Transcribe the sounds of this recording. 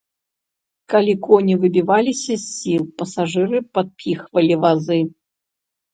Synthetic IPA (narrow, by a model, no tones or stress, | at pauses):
kalʲikɔnʲivɨbʲivalʲisʲɐsʲːilˠpɐsaʐɨɾɨpat̪̚pʲixvɐlʲivazɨ